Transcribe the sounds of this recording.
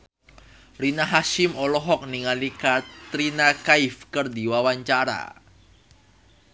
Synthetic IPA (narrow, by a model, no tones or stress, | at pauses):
ɾinaɦaʃɪmɔlɔɦɔk̚niŋalikat̪ɾinakaɪfkɨrdiwawaɲt͡ʃaɾa̰